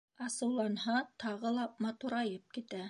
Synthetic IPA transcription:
ɑsɤ̆wlˠɑnhɑt̪ɑʁɤlˠɑmɑt̪uɾɑjɤp̚kit̪æ

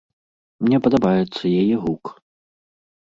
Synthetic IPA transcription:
mnʲɛpɐd̪abajɛt̪sːɐjajɛɣuk

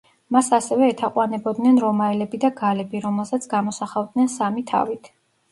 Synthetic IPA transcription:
masasɛvɛːt̪ʰaqʼwanɛbɔd̪nɛnɾɔmaɛlɛbid̪aɡalɛbiɾɔmɛlˠsat̪sʰɡamɔsaχavd̪nɛnsamit̪ʰa̰vit̪ʰ

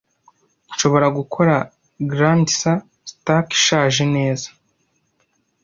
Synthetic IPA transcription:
nʃo̞βo̞ɾaɡukʰo̞ɾa | ɡɾantsa | staki̥ʃaːʒene̞ːzḁ

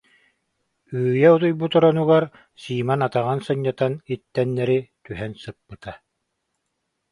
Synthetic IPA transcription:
yːjɛut̪̬ujbut̪ɔɾɔnuɡaɾ | siːmanat̪aʁansɯɲːat̪anit̪ːɛnːɛɾit̪yɦɛnsɯpːɯt̪a

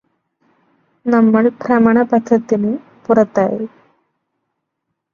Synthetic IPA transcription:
nɐmːɐɭpɾɐmɐɳɐpɐd̪ʱːɐt̪ːinu | purɐt̪ːaːji

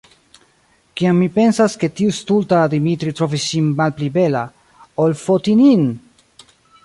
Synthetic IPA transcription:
kiamːipe̞nsaske̞tiust̪ultad̪imit̪ɾit̪ɾo̞visːinmalplibe̞la | olfotinin

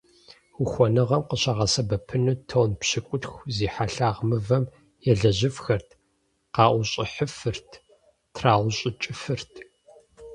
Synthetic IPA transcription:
wʊxʷɔnɨʁɐmqəɕɐʁɐsɐbɐpʰɨnuːtʰoːnpɕɪkʷʼʊtxʷziːħaɬaːʁmɨvɐm | jɛɮɐʑɪfxɐrtʰ | qɑːʔʷʊɕʼɪħəfɨrtʰ | tʰraːwʊɕʼɪt͡ʃʼɪfɨrtʰ

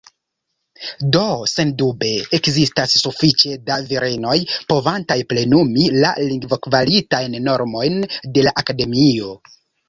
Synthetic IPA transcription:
do̞se̞ndube̞ːkzistasːufit͡ʃe̞daviɾe̞no̞jpo̞vantajple̞numila̰liŋɡvokvalitajnːo̞ɾmo̞jnde̞laʔakade̞mio̞

